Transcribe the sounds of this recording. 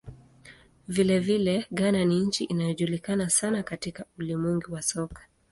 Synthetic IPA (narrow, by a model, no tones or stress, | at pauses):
vilɛvilɛɠananiɲ̩t͡ʃiʔinajɔʄulikanasanakatikaulimwiŋɡiwasɔkḁ